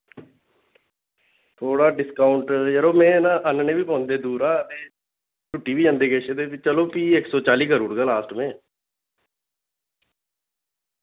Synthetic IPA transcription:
t̪ʰoːɽaːɖɪskaːʊɳʈjəɾoːmẽːnãːʔənnẽːbiːpɔ̃ːnd̪eːd̪uːɾaːt̪eː | ʈʊʈːiːbiːd͡ʒãːnd̪eːkeːʃeːd̪eːɪt͡ʃəloːpiːɪksɔːt͡ʃaːliːkəɾuːɽɡaːlaːsʈmẽː

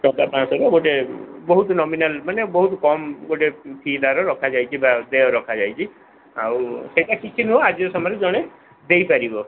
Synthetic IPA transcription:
sɔdapãsɔɾɔɡoʈebɔɦut̪ɔnɔminalmanebɔɦut̪ɔkɔmɡoʈepʰid̪aɾɔɾɔkʰad͡ʒajt͡ʃʰibad̪eɔɾɔkʰad͡ʒajt͡ʃʰi | a̰wseʈakikʰinuoad͡ʒiɔsɔmɔɾed͡ʒɔɽ̃e | d̪ejpaɾibɔ

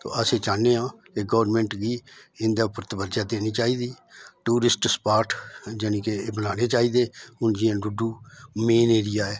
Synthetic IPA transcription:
t̪o̰ːəseːt͡ʃaːnẽːãː | eːɡɔːʋɾmɛ̃ːɳʈɡiːɪnd̪aːʊpəɾt̪əbəɾd͡ʒaːd̪eːniːt͡ʃaːiːd̪iː | ʈuːɾɪsʈspaːɾʈd͡ʒənĩːkeːbənaːneːt͡ʃaːiːd̪eːʊnd͡ʒɪãːɖʊɖuːmeːneːɾɪjaːɛː

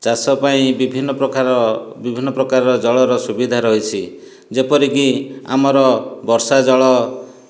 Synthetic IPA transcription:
t͡ʃasɔpaĩbibʱinːɔpɔabibʱinːɔpɾɔkaɾɔɾɔd͡ʒɔɭɔɾɔsubid̪ʱaɾɔɦit͡ʃʰi | d͡ʒepɔɾikia̰mɔɾɔbɔɾsad͡ʒɔɭɔ

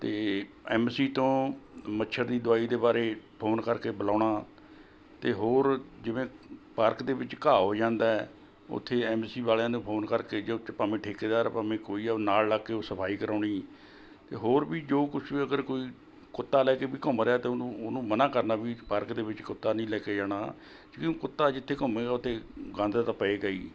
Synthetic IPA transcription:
t̪eːɛːmsiːt̪õːməʃʰəɾd̪iːd̪ʊaːiːd̪eːbaːɾeːpʰoːnkəɾkeːbəlaːɳaː | t̪eːɦoːɾd͡ʒɪʋẽːpaːɾkd̪eːʋɪt͡ʃkaːɦoːd͡ʒãːnd̪aːɛː | ʊ̰t̪ʰːeːɛːmsiːbaːljãːnũːpʰoːnkəɾkeːd͡ʒeːʊt͡ʃpaːmẽːʈʰeːkeːd̪aːɾpaːmẽːkoːiːɛːnaːllaːkːeːoːsəpʰaːiːkəɾaːɳiː | t̪ḛːɦoːɾbiːd͡ʒoːkʊt͡ʃʰiːəɡəɾkoːiː | kʊt̪ːaːlɛːkeːbiːkəmɾeaːt̪eːʊnũːnũːmənãːkəɾnaːbiːpaːɾkd̪eːʋɪt͡ʃkʊt̪ːaːnəĩːlɛːkeːd͡ʒaːɽ̃aː | d͡ʒkikʊt̪ːaːd͡ʒɪt̪ʰːeːkʊmẽːɡaːʊt̪ʰːeːɡãːnd̪at̪aːpəeːɡəḭː

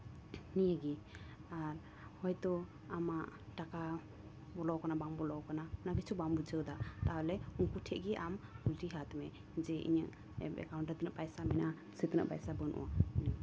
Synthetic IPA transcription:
nijəɡiaɾ | hɔjt̪ɔ | amaʔʈaka | bɔlɔkanabambɔlɔwkanaɔnakɛt͡ʃʰubambud͡ʒəwd̪at̪alɛunkuʈʰɛʔɡɛʔamɡulʈiɦat̪mɛ | d͡ʒɛʔḭɲəʔ | ɛ̰bɛ̰kaw̃ɳʈət̪nəʔpajsamɛnʔa | sət̪nə̰ʔpajsabənʔṵʔa̰iɲə

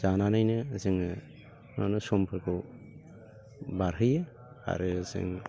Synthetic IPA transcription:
z̥ananajnɯzɯŋ | nɔ̰nɯsɔmpʰɯɾkʰɯ | baɾɦɯjɯ | a̰ɾɯzɯ̰ŋ

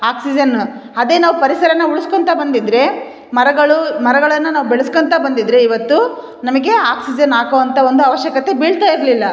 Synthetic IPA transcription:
aːksid͡ʒɐnɐd̪e̞ːnaːʋupɐɾisɐɾɐnːɐuɭuskont̪ɐbɐnd̪id̪ɾe̞ | mɐɾɐɡɐɭumɐɾɐɡɐɭɐnːɐnaːʋubɛɭɐskont̪ɐbɐnd̪id̪ːɾe̞iʋɐt̪ːu | nɐmɐɡe̞aːksid͡ʒɐnaːkoːʋɐnt̪ʰɐo̞nd̪uɐʋɐʃjɐkɐt̪ːe̞biɭt̪aːjiɾlilːɐ

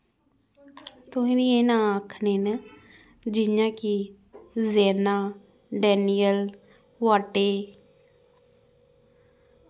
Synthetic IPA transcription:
t̪ʊĩːniːeːnãːaːkʰneːnɛː | d͡ʒɪjãːki | zɛːnaː | ɖɛːnijəl | ʋaːʈeː

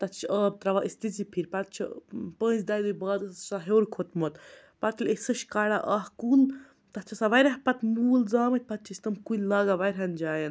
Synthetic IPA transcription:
t̪ɐt͡ʃʰəːb̚t̪ɾɐʋaʔist̪izipʰiɾpɐt̪̚t͡ʃʰḭpə̃ːnzd̪aːjd̪ujbaːd̪ssaɦeːɾkʰot̪mot̪ | pɐt̪ʰilʲesɨʃkaːɽaʔaːhkun | t̪ɐt͡ʃʰɐsaʋɐjɾʲɐɦpɐt̪muːlzaːmɐt̪̚ʲpɐt̪̚t͡ʃʰiisʲt̪ɐmkunʲlaːɡaʋɐjɾʲɦɐnd͡ʒaːjɐn

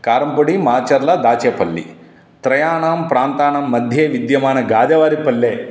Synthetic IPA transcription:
kaːɾɐmpoɽimaːt͡ʃɐɾlɐd̪aːt͡ʃɛːpɐlːḭ | t̪ɾɐjaːɳaːmpɾaːnt̪aːɳɐmːɐd̪ʱjeːʋid̪jɐmaːnɐɡaːd̪ɐʋaːɾipɐlːeː

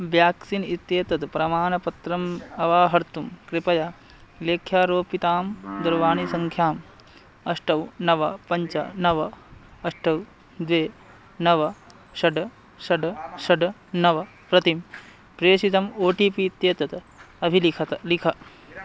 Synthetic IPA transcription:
ʋjaːksinit̪jeːt̪ɐt̪ɐpɾɐmaːnɐpɐt̪ɾɐmɐʋaːɦɐɾt̪umkɾɪpɐja | leːkʰjaːɾoːpit̪aːmd̪ɐɾʋaːnisɐŋkʰjaːm | ɐʂʈɐwnɐʋɐpɐɲt͡ʃɐ̰nɐʋɐɐʂʈɐw | d̪ʋeː | nɐʋɐ | ʃɐɖɐ | ʃɐɖʃɐɖɐnɐʋɐ | pɾɐt̪im | pɾeːʃit̪ɐmoːʈiːpiːt̪jeːt̪ɐt̪ɐ | ɐbʱilikʰɐt̪ɐlikʰɐ

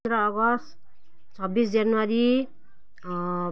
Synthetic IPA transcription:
ɾʌːɡʌst̪ | t͡sʰʌbisd͡zanuwaɾi

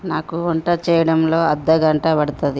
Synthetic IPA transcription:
naːkuoɳʈɐt͡ʃɛːjɐɽɐmloːɐd̪ːɐɡɐɳʈɐbɐɽut̪ɐd̪i

